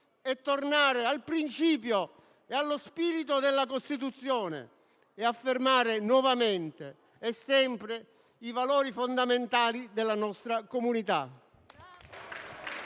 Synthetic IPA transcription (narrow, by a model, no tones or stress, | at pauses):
ɛt̪ːornaːɾealpɾint͡ʃiːp̬jo | ealːospiːɾit̪od̪elːakost̪it̪̬ut̪sːjɔːnḛ | eafːermaːɾenwɔvament̪e | ɛsːɛmpɾe | ivalɔːɾifond̪ament̪aːlid̪elːanɔst̪ɾakomunit̪a̰